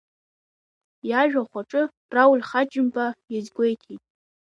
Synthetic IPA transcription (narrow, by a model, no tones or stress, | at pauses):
jaʒᶣaχʷaʈ͡ʂʼɨ | rawulʲχad͡ʒɪmpʼajazɡʷe̞jtʰitʼ